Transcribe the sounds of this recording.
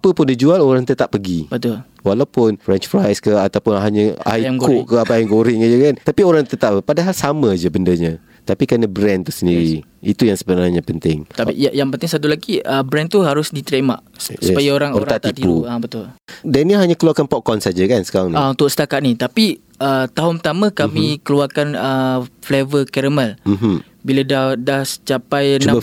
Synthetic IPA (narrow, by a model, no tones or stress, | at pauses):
apəpʊndid͡ʒualoɾaŋt̪ət̪aʔpːəɡibət̪ʊl | walawpʊnfɾɛnt͡ʃpɾajskəat̪awpʊnɦaɲəa̰iŋkʊʔkəapajŋɡoɾɪŋad͡ʒəkant̪apioɾaŋt̪ət̪ap̚padaɦalsamə̃d͡ʒəbəndəɲə | t̪apikəənəbɾɛnt̪usəndiɾi | it̪ujaŋsəbənaɲapənt̪ɪŋt̪aḭajaŋpənt̪ɪŋsat̪̬ulaɡiəbɾɛnt̪uɦaɾʊsdit̪ɾema̰ʔsə̥əpajaoɾaŋoɾaat̪it̪ipuabət̪ʊldɛnilɦaɲakəluarkanpɔʔ̚kɔnsad͡ʒakansə̥kaɾaŋnaunt̪ʊk̚sə̥t̪akat̪ʔ̪̚nit̪api | ət̪aɦʊnpət̪amə̃kamĩkəluarkanəflevəkɛɾəmɛl̩ɦ | biladahdahst͡ʃapajnã